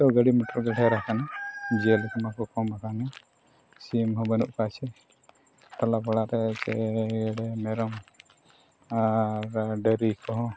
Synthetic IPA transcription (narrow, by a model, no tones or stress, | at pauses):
t̪ɔɡəɽimɔʈɔɾɡɛɽʱɛɾakanad͡ʒɛlk̪amakɔkɔmakanɛ | simɦɔbənuʔkat͡ʃɛ | t̪alabɔɽaɾɛt͡ʃɛɽɛmɛɾɔm | aɾɖəɾikʰɔɦɔ̃